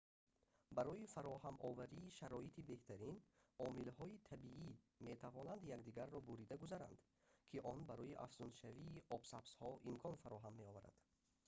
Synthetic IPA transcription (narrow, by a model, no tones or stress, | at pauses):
baɾɔjifaɾɔɦamʔɔvæɾiːʃaɾɔit̪ʰibe̞ht̪ʰæɾinɔmilhɔit̪ʰabiʔi | me̞t̪ʰavɔnand̪jaɡd̪iɡaɾːɔbuɾid̪aɡuzaɾa̰nd̪ | kʰiʔɔnbaɾɔjiʔa̰fz̥unʃaviːʔɔbsabshɔʔimkʰɔnfaɾɔɦamːe̞ɔvaɾa̰d̪̥